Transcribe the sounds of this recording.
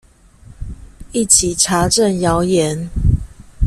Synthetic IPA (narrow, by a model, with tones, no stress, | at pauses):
i˥˨t͡ɕʰi˨˩ʈ͡ʂʰa˨˦ʈ͡ʂə˥˨njɑ˨˦ʊjɛ˨˦n